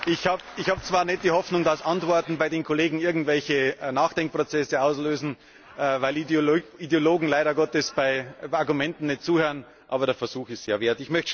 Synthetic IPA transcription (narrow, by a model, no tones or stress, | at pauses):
ʔɪçhaːbɪçhaːbt͡sv̥aːɐnɛt̚d̥iːhɔfnʊŋdasʔantv̥ɔɐtn̩baɪdeːnkʰoleːɡŋ̩ɪɐɡŋ̩tv̥ɛlçənaːxd̥ɛŋk̚pʁ̥ot͡sɛsəaʊsløːzn̩ | ʔvaɪlidjoloːɡŋ̩laɪɾɐɡɔtəsb̥aɪaɐɡʊmɛntn̩nɛt̚t͡suːhøːən | ʔaːbɐdeːɐfɛɐz̥uːxɪstseːɐveːɐtɪçmœçt